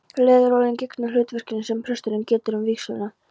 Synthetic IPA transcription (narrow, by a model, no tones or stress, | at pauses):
lɛːðʏɾɔːlɪncɪknalʏːt̪vɛr̥cɪnɪnsɛmpʰɾœst̪ʏɾɪncɛːt̪ɪɾʏmviksœ̰ðna